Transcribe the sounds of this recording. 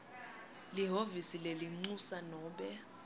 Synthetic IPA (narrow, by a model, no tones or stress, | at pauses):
liɦovisileliŋ͡ǀusanɔːɓɛ